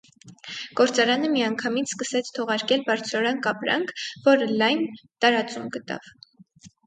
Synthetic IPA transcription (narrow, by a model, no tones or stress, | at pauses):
ɡ̥ɔɾt͡sɑɾɑnəmiɑŋkʰɑmit͡sʰskəsɛt͡sʰt̪ʰɔʁɑɾkɛlbɑɾt͡sʰɾɔɾɑnkɑpɾɑ̰ŋkʰvɔɾəlɑjnt̪ɑɾɑt͡sumɡət̪ɑ̰v